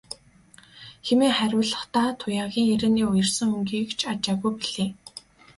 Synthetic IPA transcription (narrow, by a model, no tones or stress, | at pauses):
xemeːχæɾʲʊːɮə̆χt̪aːt̪ʰʊjaːɣʲiːŋeɾĕːniːʊjə̆rsə̆ŋɵŋɡiːkt͡ɕʰat͡ɕaːɣujpiɮ̥eː